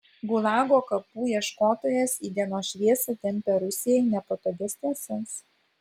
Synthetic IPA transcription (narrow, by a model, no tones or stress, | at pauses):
ɡʊlˠɑːɡoːkɐpuːiɛʃkoːt̪oːjɛsiːd̪ʲiɛnoːʃʲʋʲiɛsɐt̪ʲɛmʲpʲɛɾʊsʲɪjɛɪnʲɛpɐt̪oɡ̪ʲɪsʲt̪ʲɐsʲɛs